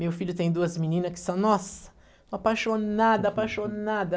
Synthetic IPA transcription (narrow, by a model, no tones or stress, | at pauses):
mewfiʎʊt̪ẽj̃d̪uɐzminĩnɐskɪ̥sɐ̃w̃nɔsɐ̥̃ | apajʃonad̪ɐapajʃonad̪ɐ